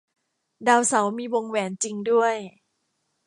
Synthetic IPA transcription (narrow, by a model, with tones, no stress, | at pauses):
daː˧wsa˩˦wmiː˧wo˧ŋwɛː˩˦nt͡ɕi˧ŋdu˥˩əj